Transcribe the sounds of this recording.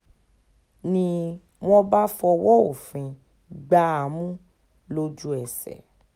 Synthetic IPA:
nĩ˧ | w̃ɔ̃˦ba˦fɔ˧wɔ˦o˨fĩ˨˧ | ɡ͡ba˦a˨mũ˦ | lo˧d͡ʒu˦ɛ˨sɛ̰˨

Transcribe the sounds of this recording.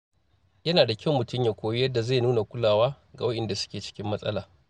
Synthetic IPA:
jɐ˦naː˨da˨kʲɐ˦˨wmʊ˨tʊ˦mjaː˨kʷoː˦ji˦jɐ˦dːa˨za˦˨nuː˦na˨kʷʊ˦laː˨waː˦ | ɡa̰˨wɐ˦ɗɪ˨nda˨sʊ̥˦kʲeː˨t͡ʃɪ̥˦kʲɪ˦mːɐ˦sʼɐ̰˦laː˨

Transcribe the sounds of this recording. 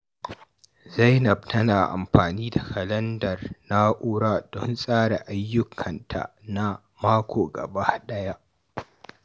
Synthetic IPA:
zɐ˦jnɐ˨btʰɐ˦naː˨ʔa̰˨mɸaː˨niː˦da˨kɐ˨lɐ˦ndɐ˨rna˦ʔuː˦ɽa˦dɔ˦nsʼaː˦ɽa˨ʔa˦jːʊ˦kʰɐ˨ntʰa̰˨na˦ | maː˦kʷʰoː˨ɡɐ̰˨ba˦ɗɐ˦ja˦ʔ

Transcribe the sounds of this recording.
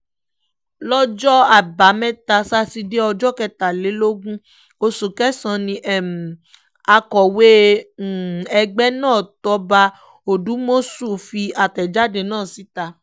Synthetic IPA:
lɔ˦d͡ʒɔ˦a˨ba˨˦mɛ̃˦ta˧sa˧˦si˧de˦ɔ˧d͡ʒɔ˦kɛ˧ta˨le˨˦lo˦ɡũ˦ | o˧su˨kɛ˦sã˧nĩ˧˦ʔɛ˦˨m˨ | a˧kɔ˨we˦˨ | ɛ˧ɡ͡bɛ˦nãː˦˨tɔ˧˦ba˧ | o˨du˨˦mo˦su˦˨fi˧a˨tɛ˨d͡ʒa˦de˧˨nãː˦˨si˨˦ta˧

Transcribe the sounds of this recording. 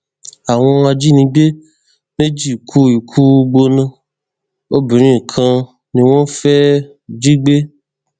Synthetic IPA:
a˨w̃ɔ̃˧a˧d͡ʒi˦nĩ˧˦ɡ͡be˦ | me˦d͡ʒi˦˨kʰu˦i˨kʰu˦˧ɡ͡bo˧nã˧ | o˦bi˨ɾ̃ĩ˦˨kʰã˧ | nĩ˧w̃ɔ̃˦fɛ˦˨ | d͡ʒi˦ɡ͡be˦

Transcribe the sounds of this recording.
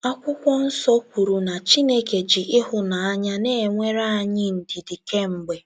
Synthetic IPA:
a˦kʷʊ˦kʷɔ˦n̩˦sɔ˦kʷu˨ɾu˨na˨t͡ʃi˦ne˦ke˨d͡ʒi˨ʔɪ˦hʊ˨na˨a˦ɲa˦ne˦e˨ŋʷe˦ɾa˦a˦ɲɪ˦n̩˨di˨di˨ke˦m̩˨ɡ͡be˨

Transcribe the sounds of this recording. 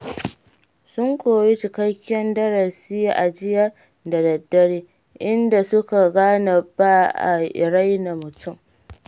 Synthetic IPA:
sʊ˦ŋkʷoː˨ji˦t͡ʃɪ˨kɐ˦kʲːɐ˦ndɐ˦ɾa˨sɪ˦ja˦ʔa˨d͡ʒɪ˦ja˦ | da˨dɐ˨dːɐ˦ɽeː˦ | ʔɪ˦nda˨sʊ˦ka˨ɡaː˦na˨baː˦ʔa̰˨ʔɪ̰˨ɾa˦jna˨mʊ˨tʰʊ˦˨m

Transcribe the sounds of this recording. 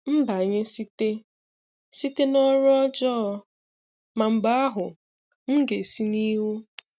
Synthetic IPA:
m̩˦ba˨ɲɪ˦si˦te˦ | si˦te˦nɔ˦ɾɔ˦d͡ʒɔ˦ | ma˨m̩˨ɡ͡ba˦a˦ɦʊ˨ | ŋ̩˦ɡe˨si˦ni˦wu˦

